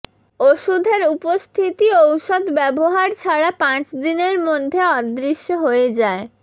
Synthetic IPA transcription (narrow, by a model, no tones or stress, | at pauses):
oʃud̪ʱeɾupost̪ʰit̪iowʃod̪bɛboɦaɾt͡ɕʰaɾapãt͡ɕd̪ineɾmod̪ʱːeɔd̪ɾiʃːoɦoed͡ʑae